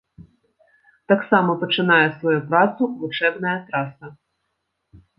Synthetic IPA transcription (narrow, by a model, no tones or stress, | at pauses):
t̪aksamɐpɐt͡ʂɨnajɛsvajupɾat̪sulˠut͡ʂɛbnɐjɐt̪ɾasɐ